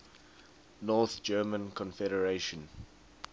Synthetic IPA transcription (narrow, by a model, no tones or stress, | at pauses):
nɔːˑθd͡ʒɜːmə̃nkʰɔ̃nfɛɾəɹeʃə̃n